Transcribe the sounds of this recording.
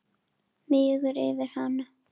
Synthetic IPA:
mɪːɣʏɾɪ̰vɪɾ̥hana

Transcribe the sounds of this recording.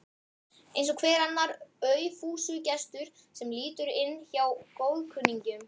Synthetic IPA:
ejnsɔkʰvɛːɾanːaɾœɥfuːsʏcɛst̪ʏɾ̥ | sɛmliːt̪ʏɾɪnːçawkoːwðkʰʏnːiɲcʏm

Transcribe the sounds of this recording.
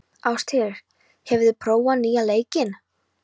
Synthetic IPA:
awst̪ʰhɛɾɪɾ̥ | hɛvðɪpʰɾoːwanːiːaleːjcɪn

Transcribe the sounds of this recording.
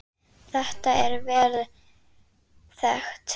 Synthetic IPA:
θɛht̪aɛɾvɛːɾð | θɛxt̪

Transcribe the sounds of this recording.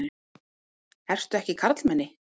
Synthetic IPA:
ɛr̥st̪ʏɛhcɪkʰaɾt̪lmɛnːɪ

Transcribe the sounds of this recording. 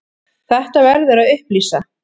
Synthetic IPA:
θɛht̪avɛɾðʏɾaðʏhpliːsa

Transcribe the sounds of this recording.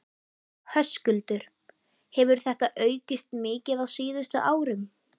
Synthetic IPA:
hœscʏlt̪ʏɾ̥ | hɛvʏɾ̥θɛht̪aʔœːɥcɪst̪mɪːcɪðaðsiːðʏst̪ʏʔaːwɾɪm

